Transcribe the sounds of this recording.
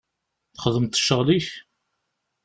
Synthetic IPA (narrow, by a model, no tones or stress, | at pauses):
θχəðəmt̪ːə̥ʃːəʁliç